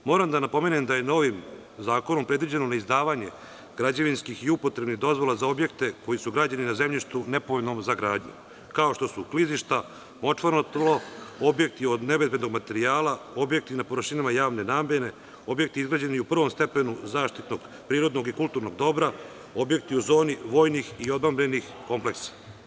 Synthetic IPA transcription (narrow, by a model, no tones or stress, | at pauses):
mo̞ːɾamd̪anapo̞menemd̪aje̞no̞ʋim | zaːkonompɾed̪ʋid͡ʑe̞nonaizd̪aːʋaɲe̞̰ | ɡ̥ɾad͡ʑaʋinskixiupo̞t̪ɾebniɣd̪o̞zʋo̞lˠazao̞bje̞kt̪e̞ko̞jisuɡɾaːd͡ʑaninaze̞mʎiʃt̪une̞pooʎʲnomzaɡɾaːd̪ɲṵ | kao̞ʃt̪o̞sukliziʃt̪a | mo̞t͡ʂʋaɾnot̪loobje̞k̚t̪io̞d̪ne̞ʋezbed̪no̞ɡmat̪e̞ɾiaːlao̞bje̞k̚t̪inapo̞ɾərʃinamajaːʋne̞naːmjene̞ | o̞bje̞k̚t̪iizɡɾaːd͡ʑeniupr̩ʋo̞mst̪e̞pe̞nuzaːʃt̪it̪noɡ | pɾiːɾo̞d̪no̞ɡikulˠt̪uɾnoɡd̪o̞bɾa | o̞bje̞k̚t̪iuzo̞ːniʋo̞ːjnixio̞d̪mambɾenix | ko̞mple̞ksḁ